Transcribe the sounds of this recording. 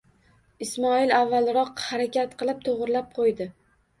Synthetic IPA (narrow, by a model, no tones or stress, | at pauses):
ɪsmɒɪlavːalˠɾɒqhaɾakʲat̪qʰɨlˠɪp̚t̪ʰoʁɾlap̚qʰojd̪ɪ